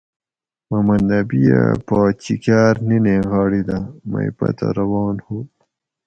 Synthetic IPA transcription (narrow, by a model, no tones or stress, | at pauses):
mɐmɐnd̪ɐbija̰paːt͡ɕikaːɾnineɣɑːɽid̪amajpɐ̰t̪a̰ɾɐwɑːnhu